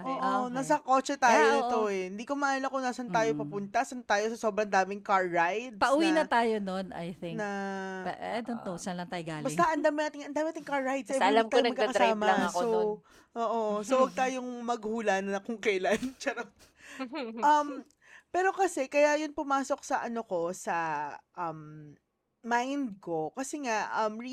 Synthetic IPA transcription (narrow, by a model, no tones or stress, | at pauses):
ʔoːʔonasɐko̞ːt͡ʃɛt̪aːjonɪt̪o̞ɛɪnd̪iːkomɐʔaːjɐnɐkonaːsɐnt̪aːjopɐpʊnt̪ɐʔsɐnt̪aːjo̞sɐso̞ːbɾɐŋd̪aːmɪŋkaɹːajd̪̚pɐʔuwinɐt̪aːjonona̰jθɪŋnɐ | ɛd̪ont̪osɐnlɐŋt̪aːjoɡaːlbɐɪt̪ɐʔɐnd̪aːmɪnaːt̪ɪŋɐnd̪aːmenaːt̪ɪŋkaɹːajd̪̚sɐlɐɡ̚t̪ajomɐkːaɐkɐɾsaːmɐɐso | ʔoːʔosowɐɡ̚t̪aːjoŋmɐɡhuːlɐnɐkoŋkɛlɐnt͡ʃɐɾo | ʔɐm | pɛːɾo̞kɐsɛkɐjajʊnpʊmaːso̞k̚sɐʔɐnoko̞sɐʔɐmː | ajnd̪̚ko̞kɐsɛŋaʔʔɐmɹi